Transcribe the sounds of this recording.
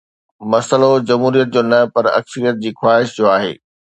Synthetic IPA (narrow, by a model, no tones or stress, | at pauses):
mɐsəlod͡ʑɐmɦuːɾijət̪̚d͡ʑoːnɐpɐɾɐ̰ksəɾijət̪̚d͡ʑiːxwaːɦɪʃd͡ʑoːaːɦḛː